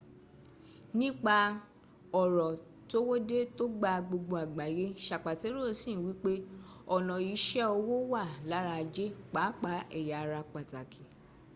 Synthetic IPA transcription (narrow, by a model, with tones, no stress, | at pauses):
nĩ˦k͡pa˧ | ɔ˨ɾɔ˨ | to˦wo˦de˦to˦ɡ͡ba˧ɡ͡bo˧ɡ͡bo˧a˨ɡ͡ba˨˦je˦ʃa˨k͡pa˨te˨˦ɾo˦˨˦sĩ˦˨wi˨˦k͡pe˦ɔ˨nɔ̃˨i˨˧˦ʃɛ˦ɔ˧wo˦wa˦˨la˨˦ɾa˧d͡ʒe˦k͡pa˨˦k͡pa˨˦ɛ˨ja˨˧ɾa˧k͡pa˨ta˨ki˨